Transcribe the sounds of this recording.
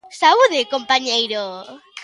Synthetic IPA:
sauðɪkompaɲejɾo

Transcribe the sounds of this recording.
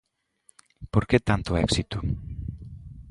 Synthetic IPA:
poɾket̪ant̪oɛksit̪u

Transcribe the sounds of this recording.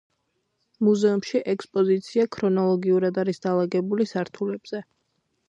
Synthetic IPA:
muzɛumʃiʔɛkspʼɔzit̪sʰiakʰɾɔnɔlˠɔɡiuɾad̪aɾisd̪alˠaɡɛbulisaɾt̪ʰulɛb̥z̥ɛ

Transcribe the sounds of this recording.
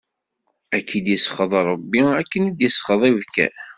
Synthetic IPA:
ækʰːid̪jəsχəðˤɑɾˤəbːiækːənid̪jəsχəðˤivkæ̰

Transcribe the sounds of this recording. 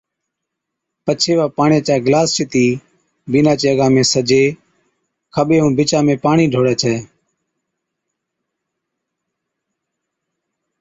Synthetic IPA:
pət͡ʃʰeːʋaːpaːɳẽːt͡ʃaːɡlaːst͡ʃɪt̪iː | biːnãːt͡ʃeːəɡãːmẽːsəd͡ʒeː | kʰəɓeːɦũːbɪt͡ʃãːmẽːpaːɳiːɖʱoːɽɛːt͡ʃʰɛː

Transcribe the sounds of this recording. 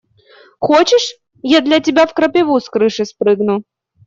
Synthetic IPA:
xot͡ɕɪʂ | jad̪lʲɐtʲɪbʲafkɾɐpʲɪvuskɾɨʂɨspɾɨɡnʊ

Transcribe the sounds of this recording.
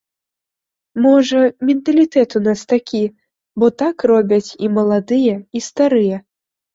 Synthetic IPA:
mɔʐɐmʲɛnt̪ɐlʲit̪ɛt̪unast̪akʲi | bɔt̪akrɔbʲɐt͡sʲimɐlˠad̪ɨjɛist̪aɾɨjɛ

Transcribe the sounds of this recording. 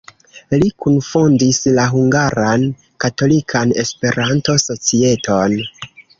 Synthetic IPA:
likunfondislaɦuŋɡaɾan | kato̞likʰane̞spe̞ɾanto̞so̞t͡sie̞to̞n

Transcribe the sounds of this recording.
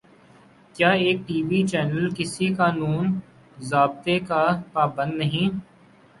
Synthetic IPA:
kjaːeːk̚ʈiːʋit͡ʃɛːnəlkɪsikaːnuːn | zaːb̚t̪ekapaːbə̃nd̪nɐɦĩ

